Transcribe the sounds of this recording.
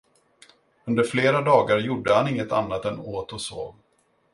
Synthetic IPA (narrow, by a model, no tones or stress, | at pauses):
ɵnd̪əɾfleːɾad̪ɑːɡaɾjʊɖːəhanɪŋːət̪a̰nːat̪ɛnoːt̪ɔso̰ːv